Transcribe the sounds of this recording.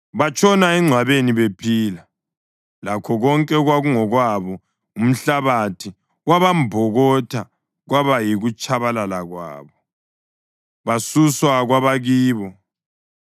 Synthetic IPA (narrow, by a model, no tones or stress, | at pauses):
βat͡ʃʼɔnaɛŋ͡ǀʱwaβeniβepʰiːla | lakʰɔɣɔŋkʼɛɣwaɣuŋɔɣwaβɔ | um̩ɬaβatʰi | ɣwaβambʱɔɣɔtʰa | ɣwaβajiɣut͡ʃʼʰaβalalaɣwa̰ːβɔ | βasuswaɣwaβaɣiːβɔ